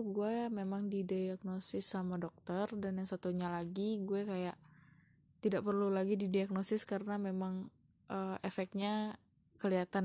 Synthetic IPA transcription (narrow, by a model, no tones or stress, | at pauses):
uɡuɛmemaŋdidijak̚nosɪsːamadɔk̚t̪ərdanjaŋsat̪uɲalaɡiɡuɛkajaʔ | t̪idaʔpərlulaɡididiak̚nosɪskaɾənamemaŋ | ʔəːʔefɛk̪̚ɲa | kəliat̪an